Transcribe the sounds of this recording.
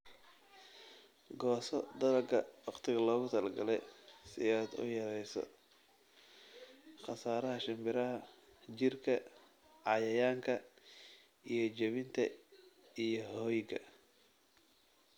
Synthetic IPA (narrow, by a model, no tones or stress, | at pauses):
ɡɔːsɔd̪ɐlɐɡɐwɑqt̪ʰɪɣɐlɔːɣʊt̪ʰɐlɡɐlɛjsɪaːd̪ʊ̰jɐɾɛjsɔ̰ | χɑsaːɾɐɦɐʃɪmbɪɾɐɦɐ | t͡ʃɪrkʰɐ | ʕɑjɐjaːŋkʰɐ | ʔijɞt͡ʃɐβɪnt̪ʰɐ | ijɔhɔːjɡɐ̰